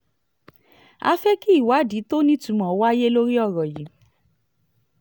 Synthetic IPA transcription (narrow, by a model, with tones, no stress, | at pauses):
a̰˧fɛ˦ki˦i˦˨wa˨˦di˨˦to˦nĩ˦tũ˨˦mɔ̃˨˦wa˦je˦lo˦ɾi˦ɔ˦˨ɾɔ˨ji˨˦